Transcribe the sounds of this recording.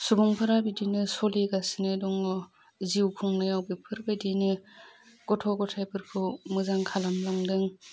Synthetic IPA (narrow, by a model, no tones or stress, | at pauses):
subuŋpʰaɾabidinɯsɔliɡasinɯdɔŋɔ | ziwkʰuŋnɯjawbipʰɯɾbadinɯ | ɡ̥ɔtʰɔɡɔtʰajpʰɯɾkʰɯmɯzaŋkʰalamlaŋdɯŋ